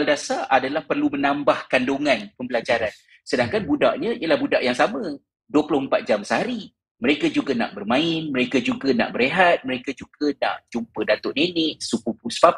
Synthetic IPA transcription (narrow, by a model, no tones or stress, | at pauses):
aldasaʔadalahpərlumənambahkandoŋanpəmbəlad͡ʒaɾan | sədaŋkanbudaʔɲəiəlahbudaʔjaŋsamə̃ | duəplʊhəmpat̪̚d͡ʒamsəhaɾi | məɾekad͡ʒuɡana̰ʔbərmãɪnməɾekad͡ʒuɡana̰ʔbəɾeɦat̪̚məɾekad͡ʒuɡana̰ʔd͡ʒumpədat̪ʊʔnenɪʔsukupuspap